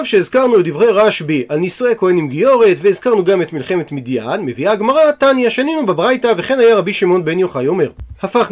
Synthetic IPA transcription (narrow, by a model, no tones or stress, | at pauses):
vʃeizkaʁnuedivʁejʁaʃbiʔalnisuekoenimɡijo̞ʁetveizkaʁnuɡame̞tmilχe̞metmidjadme̞viaɡmaʁatanjaʃaninubebʁajtaveχe̞nhajaʁabiʃimo̞nbenjo̞χajo̞me̞ʁhafaχ